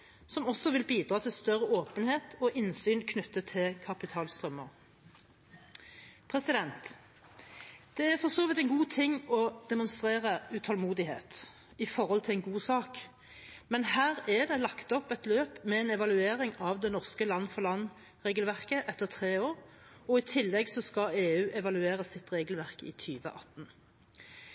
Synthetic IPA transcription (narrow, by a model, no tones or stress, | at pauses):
sɔmɔsːɔʋɪlbiːd̪ʁɑːt̪ʰɪlst̪œʁəʔoːpənheːt̪ʰɔʔɪnsyːnkʰnʉt̪ːət̪ʰːɪlkʰɑpɪt̪ʰɑːlst̪ʁœmːəʁ | pʰʁɛsɪd̪ɛnt̪ | d̪̥ɛæʁfɔʁsoːʋɪt̪ɛnɡuːt̪ʰɪŋːɔd̪̥ɛmʊnst̪ʁeːʁəʉt̪ʰɑlmuːd̪ɪhḛːt̪ | ɪfɔʁhɔlt̪ʰɪlɛɪnɡuːsɑːk | mɛnhæːʁæd̪ɛlɑkt̪ɔpɛt̪løːpmɛɛːnɛʋɑlʉeːɾɪŋɑʋd̪ɛnɔʁskəlɑnːəfɔʁlɑnː | ʁeːɡəlʋæʁkəʔɛt̪ːəʁt̪ʰʁeːoːɾ | ɔɪt̪ʰɪlːɛɡsɔskɑeːʉːʔɛʋɑlʉeːʁəsɪt̪ʁeːɡlʋæʁkɪ̰ːt̪ʰyːʋə̰ʔɑ̰t̪n